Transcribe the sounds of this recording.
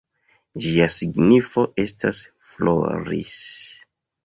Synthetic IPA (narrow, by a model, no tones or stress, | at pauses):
d͡ʒiasiɡnifo̞ʔe̞stas | flo̰ɾḭs